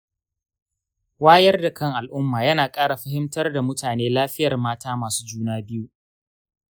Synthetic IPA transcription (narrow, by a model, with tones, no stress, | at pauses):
waː˦jɐ˦rda˨kɐ˦ŋʔa˨lʔʊ˦mːaː˨jɐ˦naː˨kʼaː˦ɽa˨ɸɐ˦hɪ˦mtɐ˦rda˨mʊ˦taː˨neː˦laː˦ɸɪ˦jɐ˨rmaː˦taː˦maː˨su̥ː˦d͡ʒuː˦naː˦bɪ˦ju˦ʔ